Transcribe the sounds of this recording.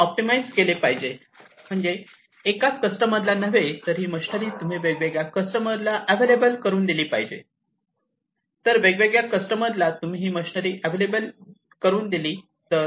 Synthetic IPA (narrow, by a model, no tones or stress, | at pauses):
ɔp̚ʈimaid͡zkelepaɦid͡ʑe | m̤əɳd͡zeː | kakəsʈəməd̪lanəʋet̪əɾɦiːməɕnəɾiːt̪um̤iːʋeɡʋeɡjakəsʈəməɾlaʔæʋelebəlkəɾuːnd̪iliːpa̰ɦid͡ʑḛ | t̪əɾʋeɡʋeɡjakəsʈəməɾlat̪um̤iɦiːməɕinəɾiːʔæʋelebəl | kəɾuːnd̪iliː | t̪ə